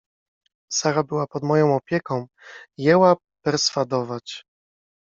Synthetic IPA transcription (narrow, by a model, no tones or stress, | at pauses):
saɾabɘwapɔd̪mɔjɔ̃w̃ɔpʲjɛkɔ̃w̃ | jɛwa | pɛɾsfad̪ɔvat͡ɕ